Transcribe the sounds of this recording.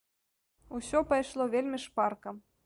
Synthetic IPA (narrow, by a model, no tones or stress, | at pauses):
usʲɔpajʂlˠɔvʲelʲmʲiʂparkɐm